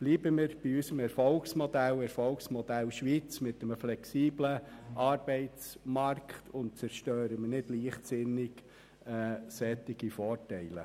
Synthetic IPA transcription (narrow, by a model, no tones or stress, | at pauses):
b̥liːbəmɪɾb̥iysəmɛɾfɔlksmɔd̥̪ælɛɾfɔlksmɔd̥̪ælʃʋiːt͡smɪtːəməflɛksiːbləʔɑːɾbɛɪt͡smɑrkχt̪ʰʊnt̚t͡sɛɾʃtœːɾəmɪnɪdliːχtsɪnɪɡ | ɛːsɛt̪ːiɡ̥ifɔːrtɛɪlə̰